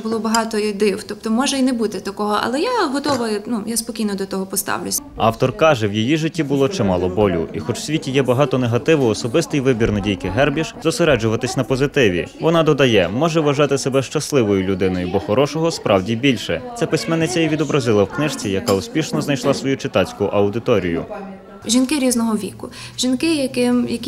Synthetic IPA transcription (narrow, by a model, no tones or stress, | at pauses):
bʊlˠɔbɐɦɑt̪ɔid̪ɪwt̪ɔp̚t̪ɔmɔʒɛinebut̪ɪt̪ɐkɔɦɔʔɐ̰lˠɛjaɦɔt̪ɔʋɔjnujaspɔkʲijnɔd̪ɔt̪ɔɦɔpɔst̪ɑ̰wlʲʊsʲɑwt̪ɔrkɑʒɛwjijiʒɪtʲːibʊlˠɔt͡ʃɛmɑlˠɔbɔlʲʊ̰ʔixɔt͡ʃwsʲʋʲitʲijɛbɐɦɑt̪ɔneɦɐt̪ɪʋʊɔsɔbɪst̪ɪjʋɪbʲirnɐdʲijkɪɦɛrbʲiʃzɔseɾɛd͡ʒʊʋɐt̪ɪsʲnɐpɔzɪt̪ɪʋʲḭʋɔnɑd̪ɔd̪ɐjɛmɔʒɛʋɐʒɑt̪ɪsebɛʃt͡ʃɐslˠɪʋɔjʊlʲʊd̪ɪnɔjʊbɔxɔɾɔʃɔɦɔspɾʔɑwdʲibʲilʲʃɛt̪sɛpɪsʲmɛnːɪt͡sʲɐiʋʲid̪ɔbɾɐzɪlˠɐwknɪʃt͡sʲijɐkɑusʲpʲiʃnɔznɐjʃlˠɑsʋɔjut͡ʃɪt̪ɑt͡sʲkʊʔɐwd̪ɪt̪ɔɾʲijʊ̰ | ʒʲinkɪɾʲiznɔɦɔʋʲḭkʊʒʲinkɪjɐkɪmjɐkʲ